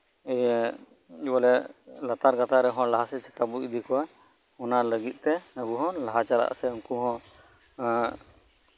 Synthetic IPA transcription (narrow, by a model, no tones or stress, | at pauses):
ɛj | ibalɛlat̪aɾɡat̪aɾɛɦɔ̃laɦasɛt͡ʃɛ̥kabuʔid̪ikɔwa | ɔnaləɡit̪̚ˀt̪ɛəbuɦɔ̃laɦat͡ʃala̰ʔsɛuŋkuɦɔ̃